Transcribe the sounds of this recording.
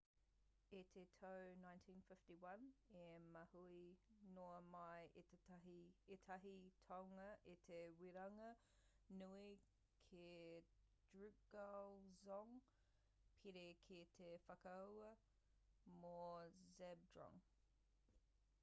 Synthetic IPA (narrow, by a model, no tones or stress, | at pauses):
etʰetʰoʊnãɪ̃ntʰĩnfɪftiwɐ̃nemɐhuinoːmajʔetʰetʰɐɦietʰɐɦitʰɔŋəʔetʰewiɾɐŋə | nui | kʰe | d̥ɹʉkɡɡ̥alzɔŋ | pʰiɾekʰetʰefɐkaə | mozɛb̚dɹɔ̰̃ŋ